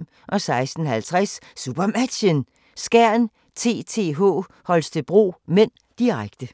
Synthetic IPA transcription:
ʔɒ̽sɑ̈ɪsd̥n̩hælt͡sʰʁɛsːub̥ɐmæd̥ɕən | sɡ̥æɐ̰n | t͡sʰe̝̰ːt͡sʰe̝̰ːɦɔ̰ː | hɒ̽lsd̥ʰeb̥ʁṵːmen̰ | d̥iʁaɡ̥d̥ə

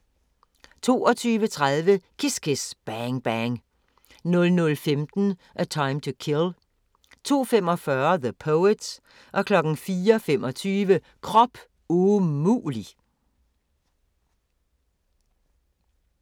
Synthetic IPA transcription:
t͡sʰo̝̰ːɒ̽t͡sʰyːʋət͡sʰʁaðˠʋəkʰesɡ̥ʰesb̥æŋb̥æŋ | nɔ̽lnɔlfemd̥n̩ʔæt͡sʰɑ̈ɪmt͡sʰukʰel | t͡sʰo̝̰ːfem̰ɒ̽fɶɐðəpʰɔʊed̥s | ʔɒ̽kʰlɒ̽ɡ̥n̩fiːɐfemʔɒ̽t͡sʰyːʋə | kʰʁɒ̽b̥ | umṵːli

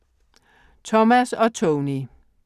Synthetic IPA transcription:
t͡sʰɔmæsɒ̽t͡sʰoni

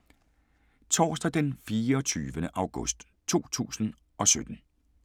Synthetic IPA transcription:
t͡sʰɒ̰ːsd̥æd̥enfiːɐɒt͡sʰyːʋənəʔɑ̈ʊɡ̥ɔsd̥ | t͡sʰo̝̰ːt͡sʰṵːsn̩ | ʔɒ̽sød̥n̩

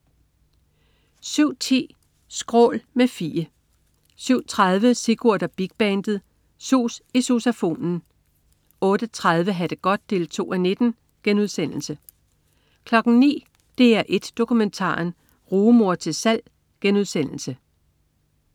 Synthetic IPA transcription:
syʊ̰t͡sʰḭː | sɡ̥ʁɔ̰̽ːlmefḭːə | syʊ̰t͡sʰʁað̞ˠʋəseɡ̥uɐ̰d̥ɐb̥iɡ̥̚b̥ænd̥ð̞̩ˠ | soːsiso̝sæfo̝̰ːnn̩ | ɔ̽ːd̥ət͡sʰʁað̞ˠʋəɦæd̥əɡ̥ɒ̽d̥̚ːe̝ːlt͡sʰo̝̰ːæne̝d̥n̩ | ɡ̥enuð̞ˠsen̰l̩sə | kʰlɒ̽ɡ̥n̩nḭː | d̥e̝ːæɐʔe̝d̥ːo̝kument͡sʰɑ̰̈ːn | ʁuːmo̝ɐ̰t͡sʰe̝lsæl̰ | ɡ̥enuð̞ˠsen̰l̩sə

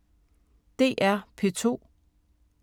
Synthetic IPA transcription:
d̥e̝̰ːʔæɐpʰe̝t͡sʰo̝̰ː

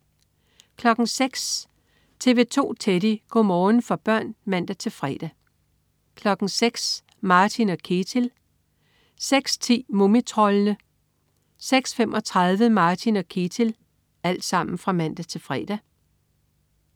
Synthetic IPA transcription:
kʰlɒ̽ɡ̥ŋ̩seɡ̥s | t͡sʰe̝ʋe̝ːt͡sʰo̝̰ːt͡sʰeɾiɡ̥omɒːn̩fɒ̽b̥ɶɐ̰nmæn̰d̥æt͡sʰe̝lfʁɛ̰ːd̥æ | kʰlɒ̽ɡ̥ŋ̩seɡ̥s | mɑ̈ːt͡sʰinɒ̽kʰet͡sʰel | seɡ̥st͡sʰḭːmomit͡sʰʁɒlənə | seɡ̥sfemʔɒ̽t͡sʰʁɑðˠʋəmɑ̈ːt͡sʰinɒ̽kʰe̝t͡sʰel | æl̰d̥sɑ̈m̰n̩fʁɑ̈mæn̰d̥æt͡sʰe̝lfʁɛ̰ːd̥æ

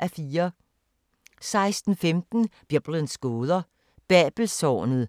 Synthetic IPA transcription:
ʔæfiːɐ | sɑ̈ɪsd̥n̩femd̥n̩b̥jeb̥lənsɡ̥oːð̞ˠɐ | b̥ɛːb̥l̩sɒ̰ːnð̩ˠ

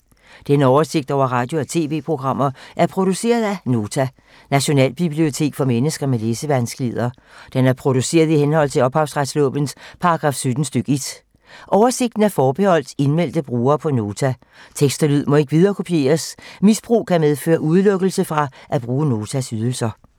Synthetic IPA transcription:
d̥enəɒʊɐse̝ɡ̥̚d̥ɒʊ̰ɐʁɑ̈ːd̥jo̝æt͡sʰe̝̰ːʋe̝̰ːpʰʁo̝ɡ̥ʁɑ̈m̰ɐʔæɐpʰʁo̝d̥use̝̰ːɐð̞̩ˠæno̝ːt͡sʰæ | næɕo̝nɛ̰ːlb̥ib̥lio̝t͡sʰe̝̰ːɡ̥fɒ̽menəsɡ̥ɐmeleːsəʋænsɡ̥əleð̞̰ˠɐ | d̥enæɐpʰʁo̝d̥use̝̰ːɐð̞ˠihenhɒ̽l̰t͡sʰe̝ɒ̽b̥hɑ̈ʊsʁad̥slɔ̰̽ːb̥ən̩spʰɑ̈ɑɡ̥ʁɑ̈ːfsød̥n̩sd̥øɡ̥əed̥ | ʔɒʊɐse̝ɡ̥̚d̥n̩æɐfɒːb̥ehɒ̽l̰d̥e̝nmel̰d̥əb̥ʁuːɐːpʰɒ̽no̝ːt͡sʰæ | t͡sʰeɡ̥sd̥ɐlyð̞̰ˠmɒ̽e̝ɡ̥əʋið̞ˠɐːkʰo̝pʰie̝̰ːɐsmisb̥ʁṵːkʰæmeð̞ˠfø̰ːɐʔuð̞ˠlɔɡ̥l̩səfʁɑ̈ʔæb̥ʁuːəno̝ːt͡sʰæsyð̞ˠl̩sɐ

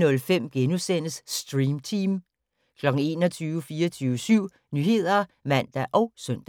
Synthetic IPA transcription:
nɔ̽lfem̰ɡ̥enusen̰əsːd̥ʁiːmt͡sʰiːm | kʰlɒ̽ɡ̥n̩e̝̰ːnɒt͡sʰyːʊəfiːɐt͡sʰyːʊəsyʊ̰ | nyːɦe̝ð̞̰ˠɐ | mæn̰d̥æʔɒ̽ʊsœn̰d̥æ

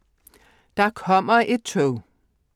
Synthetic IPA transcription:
d̥ɑ̈kʰɒ̽m̰ɐʔe̝d̥̚t͡sʰoʊ

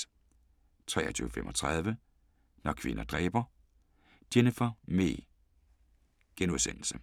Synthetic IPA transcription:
t͡sʰʁɛ̰ːɐt͡sʰy̰ːʊəfemʔɒt͡sʰʁað̞ˠʋə | nɒkʰʋe̝nɐd̥ʁɛ̰ːb̥ɐ | d̥enəfɒmḛː | ɡ̥enuðˠsen̰l̩sə

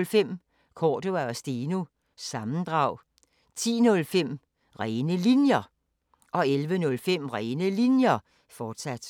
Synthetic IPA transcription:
lfem̰ | kʰɒːd̥oæɒsd̥iːnu | sɑ̈mn̩d̥ʁɑ̈ʊ̰ | t͡sʰḭːnɔ̽lfem̰ | ʁɛnəlinjɐ | ʔɒ̽elʋənɔ̽lfem̰ʁɛːnəlinjɐ | fɒːd̥sæd̥

